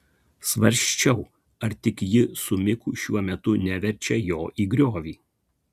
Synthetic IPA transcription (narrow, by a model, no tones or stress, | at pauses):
sʋɐɾʲʃʲt͡ʃʲɛʊ | ɐɾt̪ʲɪkjɪsʊmʲɪkuːʃʲuɔmʲɛt̪ʊnʲæʋʲɛɾʲt͡ʃʲɛjoːʔiːɡɾʲoːʋʲiː